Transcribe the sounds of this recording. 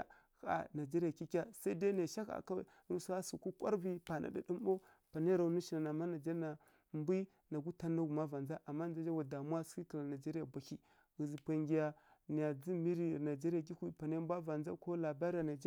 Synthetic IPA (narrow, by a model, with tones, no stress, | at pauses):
a˦ | xa̰˨na˨d͡ʒe˦ɾa˨ki˦kʲa˦sa˦i˦da˦na˨ʃa˦ka̰˨ka˦ | ɾu˦su˦a˦su˨ku˦kʷa̰˦ɾvi˦pa˨nʔa̰˨da˦ɗi˦mbo˦ | pa˨ne˦ɾa˨˦nu˦ʃi˨na˨na˨ma˦na˨d͡ʒa˦na˨ | mbi˦ | na˨ɡu˦ta˦nːa˦ɡu˨ma˦va˨nd͡za˦ʔa˨mːa˦n˦d͡za˦d͡ʒa˦wa˨da˨mu˦a˦ski˦ka˨la˨na˨d͡ʒe˦ɾi˦ja˨bʷa˨ki˦ | ɣi˨zi˨pa˨ŋɡi˨ja˨ni˨ja˨d͡zi˦mi˦ɾi˨na˨d͡ʒe˦ɾa˨ɡi˦kʷi˨pa˨ne˦mbʷa˦va˨nd͡za˦ko˦la˨ba˦ɾi˦a˨na˨d͡ʒ